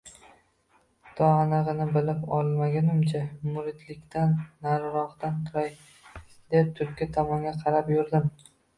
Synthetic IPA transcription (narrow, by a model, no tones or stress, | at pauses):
t̪ʰɒanɨʁɨnɪbɪlɪpɒlˠmaɡʲanɪmt͡ʃʰamʊɾɪt̪lɪkʲt̪ʰanːaɾɾɒχt̪ant̪ʰʊɾaj | d̪̥e̞p̚t̪ʰʊɾkʲːat̪ʰɒmɒŋɡʲaqʰɑɾapjʊɾd̪ɪm